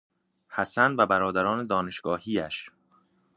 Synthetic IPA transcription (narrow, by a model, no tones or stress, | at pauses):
hæsænvæbæɾɒːd̪æɾɒːne̞d̪ɒːne̞ʃɡ̥ɒːhiːæʃ